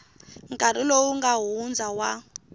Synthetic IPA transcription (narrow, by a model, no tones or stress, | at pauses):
ŋkʼaɾilouŋɡaɦund͡zawa